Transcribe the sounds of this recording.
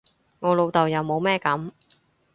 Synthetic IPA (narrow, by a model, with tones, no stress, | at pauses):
ŋɔː˨˧lo˨˧wt̪ɐ˨wjɐ˨˧wmo˨˧wmɛː˥kɐ˨˥m